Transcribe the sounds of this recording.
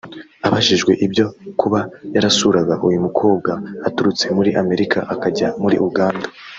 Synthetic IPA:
aβaʃiʒɡwe̞̰ʔibɟo̞kuβajaɾasuɾaɡaʔujumukʰo̞ːbɡaːtuɾut͡se̞muɾiʔame̞ɾikʰa̰ʔakaɟamuɾḭʔuɡaːnda

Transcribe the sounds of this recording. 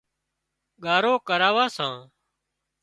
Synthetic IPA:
ɠaːɾoːkəɾaːʋaːsãː

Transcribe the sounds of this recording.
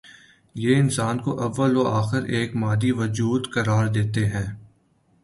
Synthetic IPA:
jeːɪnsaːnkoʔɐʋːəloaːxɪɾeːkmaːd̪iʋɐd͡ʒuːd̪kɐɾaːɾd̪eːt̪eɦɛ̃ː

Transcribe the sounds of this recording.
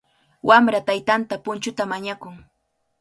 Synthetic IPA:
wʔamɾat̪ajt̪ant̪apʊnt͡ʃʊt̪amaɲakʊŋ

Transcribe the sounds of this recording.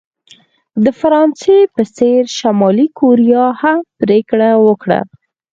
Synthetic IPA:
d̪əfaɾɑnsepəseɾʃamɑlikʰoɾijɑhampɾekɽawəkɽa̰

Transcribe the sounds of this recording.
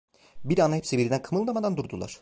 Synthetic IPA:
biɾanahepsibiɾid̪ænkʰɯmɯlˠd̪amad̪and̪uɾd̪ulˠa̰ɾ̥

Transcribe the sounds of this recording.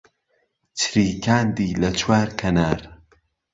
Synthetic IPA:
t͡ʃʰɾiːkʰaːnd̪iːlɐt͡ʃʰwaːɾkʰɐnaːɾ

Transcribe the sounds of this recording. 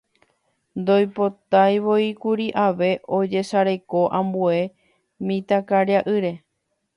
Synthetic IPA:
nd̪o̞jpo̞t̪ajʋo̞ikuɾiʔaʋe̞ʔo̞d͡ʒe̞ʃaɾe̞ko̞ʔãmbue̞ | mĩt̪akaɾjaʔɨɾe̞

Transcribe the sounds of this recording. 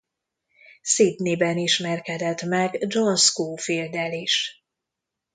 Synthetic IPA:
seːt̪neːbɛniʃmɛrkɛd̪ɛt̪mɛɡd͡ʒonskoːfild̪ɛliʃ

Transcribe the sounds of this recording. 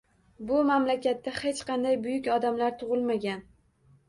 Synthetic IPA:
bʊmamlakʲat̪ːahe̞t͡ʃqʰɑnd̪ajbʊjʊkʲɒd̪amlaɾt̪ʰʊʁɨlˠmaɡʲan

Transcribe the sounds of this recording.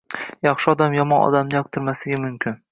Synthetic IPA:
jɑχʃɪɒd̪amjɒmɒnɒ̰d̪amnɪjɒk̚t̪ʰɪɾmaslɪɡʲamʊmkʲʰɪn

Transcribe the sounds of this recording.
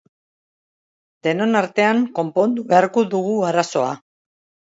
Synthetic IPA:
d̪e̞no̞naɾt̪e̞aŋko̞mpo̞nd̪uβeaɾkoðuɣuaɾaso̞a̰

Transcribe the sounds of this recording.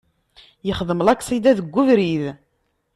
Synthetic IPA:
jəχðˤəməlækːsˤid̪æðəɡʷːuvɾið

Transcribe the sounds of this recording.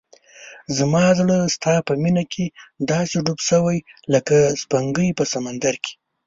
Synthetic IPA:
zmɑzɽəst̪ɑpəminakʰed̪ɑseɖubsəwajləkaspaŋɡəjpəsamand̪aɾke̥

